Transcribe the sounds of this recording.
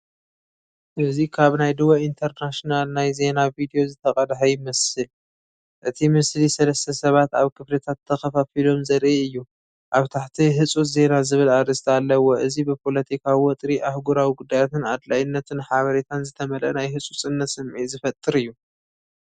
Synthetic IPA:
ʔɨzikʰaβnajd̪ɨwoint̪ʰɐɾnaʃnalnajze̞navid̪ijo̞zɨt̪ʰɐkʼɐd̪ħajɪmɐsɨl | ʔɨt̪ʰimɨslisɐlɐst̪ʰɐsɐβat̪aβkʰɨflɐt̪ʰat̪ʰːɐxɐfafilo̞mzɐɾʔiɨjːu | ʔaβt̪ʰaħt̪ʰiɦɨsʼut̪ze̞nazɨβɨlaɾɨst̪ʰalːɐwo̞ʔɨzibɨpʰo̞lɐt̪ʰikʰawiwɔt̪ʼɾiʔahɡuɾawiɡud̪ːajat̪ʰɨnad̪lajɪnːɐt̪ʰɨnħaβɐɾet̪ʰanzɨt̪ʰɐmɐlʔɐ̰najɦɨt͡sʼut͡sʼɨnːɐt̪sɨmʕizɨfɐt̪ʼːɨɾɨjːu

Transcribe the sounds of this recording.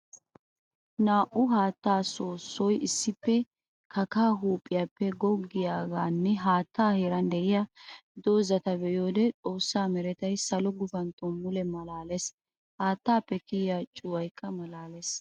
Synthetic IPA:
naːʔʊɦaːt̪ːaːso̞ːsːɔjɪsːɪpːɛ | kɐkaːɦuːpʼːɪjaːpːɛɡɔɡːɪjaːɡaːnːɛɦaːt̪ːaːheːɾɐnd̪ɛʔɪjad̪o̞ːzɐt̪ɐbɛjo̞ːd̪ɛt͡sʼo̞ːsːaːmɛɾɛt̪ɐjsɐlɔɡʊfɐnt̪ʼɔmːʊlɛmɐlaːles | haːt̪ːaːpːɛkɪjjaːt͡ʃʼʊwɐjkʰːɐmɐlaːles

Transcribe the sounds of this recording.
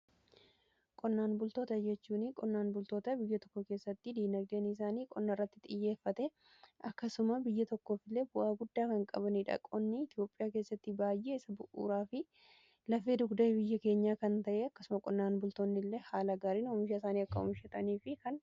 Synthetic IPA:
kʼɔnːaːnbʊlt̪oːt̪ɐd͡ʒɛt͡ʃːuːnɪkʼɔnːaːnbʊlt̪o̞ːt̪ɐbɪjːɐt̪ɔ̥kːɔke̞ːsːɐt̪ːɪd̪iːnɐɡ̚d̪eːnɪs̬aːniːkʼɔnːɐrːɐt̪ːɪt̪ʼɪjːe̞ːfːɐt̪ɛ | ʔɐkːɐsʊmɐbɪjːɐt̪ɔkːo̞ːfɪlːe̞ːbʊʔaːɡʊd̪ːaːkɐŋkʼɐ̰bɐniᶑɐ̰kʼɔnːɪɪt̪ɪjo̞ːpʼɪjaːke̞ːsːɐt̪ːɪbaːjʔeːɪsɐbʊʔṵːɾaːfɪ | lɐfːeːd̪ʊɡd̪ɐbɪjːɐke̞ːɲːaːkɐnt̪ɐʔeːɐkːɐ̥sʊmɐkʼɔnːaːnbʊlt̪oːnːɪlːehaːlɐɡaːɾiːnʊmɪʃɐɪsaːniːɐkːɐʊ̰mʃɛt̪ʼɐniːfɪkɐn

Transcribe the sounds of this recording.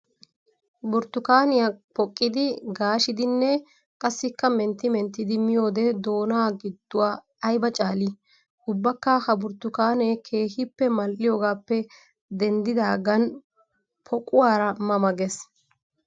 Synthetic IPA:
bʊɾt̪ːʊkaːnɪjapɔkʼːɪd̪ɪɡaːʃɪd̪ɪnːɛ | kʼɐsːɪkːɐmɛnt̪ːɪmɛnt̪ːɪd̪ɪmɪjo̞ːd̪ɛd̪o̞ːnaːɡɪd̪ːʊwaː | ɐjbɐt͡ʃʼaːli | ʊbːɐkːɐhɐbʊɾt̪ːʊkaːnɛkʰe̞ːhɪpːɛmɐlːɪjoːɡaːpːɛ | d̪ɛnd̪ɪd̪aːɡɐn | pʰɔkʼʊwaːɾɐmɐmɐɡɛs

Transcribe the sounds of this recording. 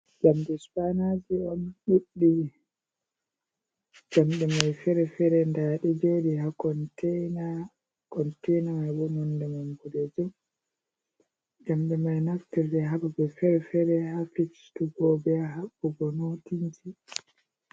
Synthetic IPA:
ɡamdɛspanad͡ʒiɔnɗuɗːi | d͡ʒ̥amɗɛmajfɛɾɛfɛɾɛndaːɗɛd͡ʒoɗihakɔntʰɛjna | kɔntɛjnamajbɔmɔndɛmambudɛd͡ʒɔ | ɡamɗɛmajnaftiɾdɛɦababɛfɛɾɛfɛɾɛɦafikstuɡɔbɛaɦabːɔɡɔnotiɲd͡ʒi

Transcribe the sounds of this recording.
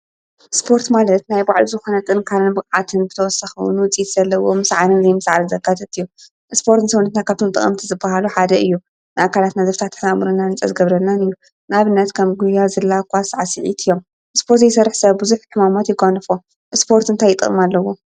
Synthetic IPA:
ʔɨspʰo̞ɾt̪malɐt̪najbaʕluzɨxo̞nɐt̪ʼɨnkʰalɨnbɨkʼʕat̪ʰɨnbɨt̪ʰɐwɔsɐxɨ̰w̰nwɨt͡sʼit̪z̥ɐlːɐwomɨsʕalɨnzɐjmɨsʕalɨzɐɡat̪ʰɐt̪ɨjːu | ʔɨspʰo̞ɾt̪nɨsɐwnɐt̪nakʰaβt̪ʰo̞mt̪ʼɨ̰χʼɐ̰mt̪ʰizɨbːaɦaluħad̪ɐɨjːu | naʔakʰalat̪nazɐft̪ʰat̪ʰːħnamɨɾɨnːanɨt͡sʼɐ̰zɨɡɐβɾɐnːanɨjːu | naβɨnːɐt̪kʰɐmɡujazɨlːakʰʷasʕasɨʕḭt̪ʰɨjːom | ʔɨspʰo̞ɾt̪jejɪsɐrːħsɐβbɨzuħħɨmamot̪jɪɡanɨfo | ʔɨspʰo̞ɾt̪ɨnt̪ʰajɪt̪ʼɨ̰χʼɨmalːɐwo

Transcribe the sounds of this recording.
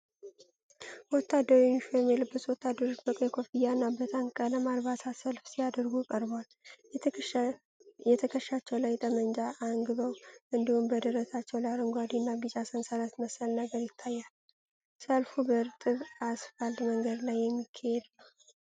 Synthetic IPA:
wɔt̪ʰːad̪ːəɾunʃojɛmːilɨbːɨswɔt̪ʰːad̪ːəɾot͡ʃbəkʼəjkʰofijanːabət̪ʰaŋkʼələmalβasʰasəlfsijad̪əɾɡukʼəɾbwal | jɛt̪ʰ | jɛt̪ʰəkʰəʃːat͡ʃːɛwlajt̪ʼəmənd͡ʒaʔːŋɡɨβəwʔɨnd̪ihumbəd̪ɨɾəsat͡ʃːɛwlaɾɨŋɡʷad̪inːaɡɨt͡ʃasənsaɾat̪məsəlnəɡəɾjɪt̪ʰːajːal | səlfubəɾt̪ʼɨβasfəld̪məŋɡəd̪lajːɛmːikʰːahɛd̪lə

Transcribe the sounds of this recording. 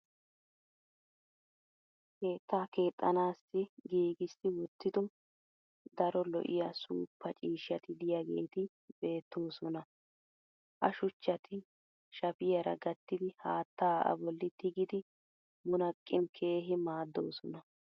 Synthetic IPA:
ke̞ːt̪ːaːke̞ːt̪ʼːɐnaːsːɪɡiːɡɪsːɪwɔt̪ːɪd̪ɔ | d̪ɐɾɔlɔ̰ʔɪ̰jasṵːpːɐt͡ʃʼiːʃːɐt̪ɪd̪ɪjaɡe̞̰ːt̪ɪ | be̞ːt̪ːoːsɔnɐ | ʔɐ̰ʃʊt͡ʃːɐt̪ʰɪ | ʃɐpɪjɐɾɐ̰ɡɐt̪ːɪd̪ɪhaːt̪ːaːʔɐ̰bɔlːɪt̪ɪɡɪd̪ɪ | mʊnɐkʼːɪnkʰe̞ːɦɪmaːd̪ːo̞ːsɔnɐ

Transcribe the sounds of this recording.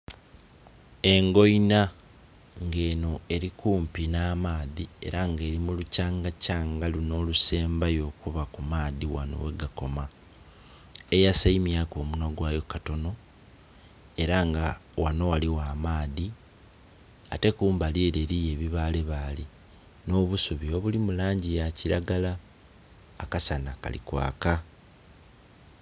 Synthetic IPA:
e̞ŋɡo̞ina | ŋɡe̞ːno̞e̞ɾikuːmpinaːmaːðie̞̰ɾaŋɡe̞ːɾimulucaːŋɡacaːŋɡaluno̞ːluse̞ːmbajo̞ːkuβakumaːðiwa̰no̰we̞ɡako̞ma | ejasaimjaːko̞ːmunoɡwaːjo̞kato̞no̞ | e̞ɾaŋɡawano̞waliwaːmaːði | a̰te̞kuːmbaliːɾe̞ɾije̞βiβaːle̞βali | no̞ːβusuβio̞βulimulaːɲɟijaciɾaɡalaː | kasanaka̰lḭkwa̰ːka

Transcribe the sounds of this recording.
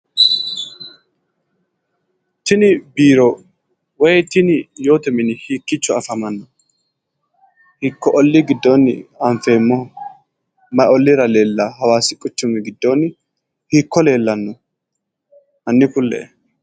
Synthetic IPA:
t̪ɪnɪbiːɾɔ | wɔjɛt̪ɪnɪjo̞ːt̪ɛmɪnɪhiːkːɪt͡ʃːɔɐfɐmɐnːɔ | hɪkːɔʔɔlːɪɡɪd̪ːonːɪ̰ɐɱfeːmːɔ | mɐjɔlːɪɾɐle̞ːlːɐɦɐwaːsɪkʼʊt͡ʃːʊmɪɡɪd̪ːoːnːɪ | hikːɔle̞ːlːɐnːɔ | ʔɐnːɪpʊlːɛ̰ɛ

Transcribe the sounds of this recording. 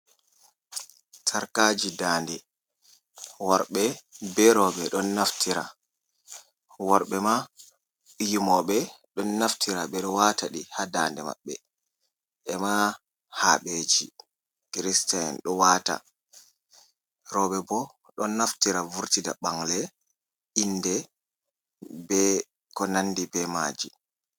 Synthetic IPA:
tʰaɾkad͡ʒidaːndɛ | waɾɓɛbɛɾɔɓɛɗɔnːaftʰiɾa̰ | wɔɾɓɛma | ʔijimɔɓɛɗɔnːaftʰiɾaɓɛɗɔwataɗihadaːndɛma̰ɓːɛ | ʔɛma | ha̰ɓed͡ʒi | kɾistaɛ̰nɗɔwaːta̰ | ɾɔɓɛbɔ | ɗɔnːaftiɾavuɾtida̰ɓaŋlɛ | inːdɛ | bɛ | kɔnandibɛma̰ːd͡ʒi

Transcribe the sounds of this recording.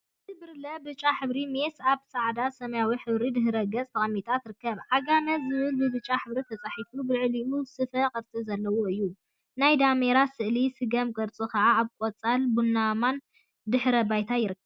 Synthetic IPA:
ɨt̪ʰɨbɨɾlɐbɨt͡ʃʼːaħɨβɾime̞saβsaʕd̪asɐmɐjawiħɨβɾid̪ɨɦɨɾɐɡɐt͡sʼt̪ʰɐχʼɐmːit̪ʼat̪ɾɨkːɐβʔaɡanɐzɨβɨlbɨbɨt͡ʃʼːaħɨβɾit̪ʰɐt͡sʼaħit̪ubɨʕliusɨfɐqʼɨɾt͡sʼɨzɐlːɐwoɨjːu | najd̪ameɾasɨʔlisɨɡɐmkʼɐɾt͡sʼukʰɐʕaːβkʼot͡sʼalbunːaman | d̪ɨħɾɐbajt̪ʰajɪɾɨkːɐβ

